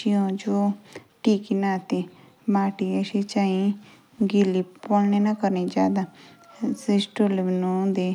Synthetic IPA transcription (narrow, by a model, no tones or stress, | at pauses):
ijõːd͡ʒoːʈiːkinaːt̪e | maːʈiəʃet͡ʃaːĩ | ɡilippolnenakəɾniːd͡ʒa̰ːd̪a | sɪsʈolʋnõd̪eː